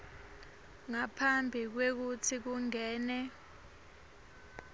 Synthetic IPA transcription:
ŋapʰambʱik̬wek̬utʰik̬uŋɛːnɛ

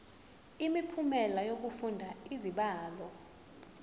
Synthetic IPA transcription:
imipʰumɛlajok̬ufundʱaiziɓaːlɔ

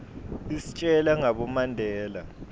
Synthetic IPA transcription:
isi̥t͡ʃʼɛlaŋaɓɔmandʱɛːla

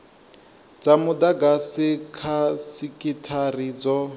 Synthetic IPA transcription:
d͡zamʊd̪aɡasikʰasikʼitʰariːd͡zɔ

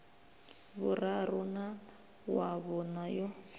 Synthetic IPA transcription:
βʊraɾʊna | waβɔnajɔ

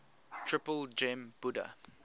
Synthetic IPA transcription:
tʰɹɪpəld͡ʒɛ̃mb̥udə̰

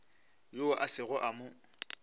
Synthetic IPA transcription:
joaʔasɪɣʊʔamʊ

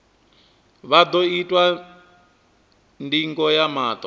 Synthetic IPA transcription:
βad̪ɔitʼwa | ndiŋɡɔjamaːt̪ʼɔ

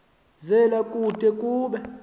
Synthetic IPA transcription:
zɛlakʼutʼɛkʼuːɓɛ

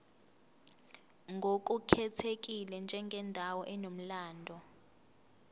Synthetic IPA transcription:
ŋɡʱok̬ʼukʰɛtʰek̬ilɛnd͡ʒʱɛŋɡʱɛndʱawɔʔɛnom̩laːndʱɔ

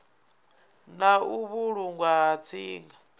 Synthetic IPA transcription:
nauβuɺuŋɡwaːt͡sʰiːŋɡa

